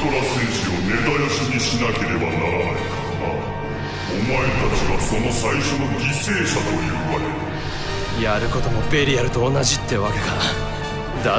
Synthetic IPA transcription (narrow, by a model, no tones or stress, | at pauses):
t̪oɾasẽɰ̃ɕio̞ne̞d̪aiɕiɲ̟iɕinake̞ɾe̞banaɾana̰ika | ɡa̰ | omae̞t̪at͡ɕiβaso̞no̞saiɕo̞no̞ɡʲise̞ːɕat̪o̞jɯ̟̰ːβaɾe | jaɾɯ̟ko̞t̪o̞mo̞pe̞ɾʲijaɾɯ̟t̪o̞ːnaʑit̪ːeβakkaɾ | d̪a